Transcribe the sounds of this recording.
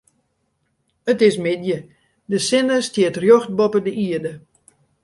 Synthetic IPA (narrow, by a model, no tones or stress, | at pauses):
ətɪsmɪdjə | dəsɪnəstɪətrjoxt̚bɔpədəʔiədə